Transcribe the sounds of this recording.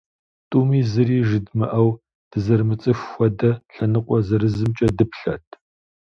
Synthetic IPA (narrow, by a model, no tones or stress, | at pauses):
tʼuːmiːzɨriːʒɨdmɨʔɐw | d̥ɨzɐrmɨt͡sʼɨxːʷɔdɐɬɐnɨqʷʼɔzɐɾɨzzɨmt͡ʃʼɐdɨpʰɬɐtʰ